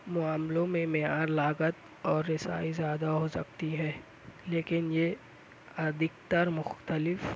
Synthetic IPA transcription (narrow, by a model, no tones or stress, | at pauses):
mʊaːmlõmẽmejaːɾlaːɡət̪ | ɔːɾːɪsa̰ːizjaːd̪aɦoːsɐ̰k̚t̪iɦɛ̃ː | leːkɪnje | ɐd̪ɪk̚t̪əɾmʊxt̪əlɪf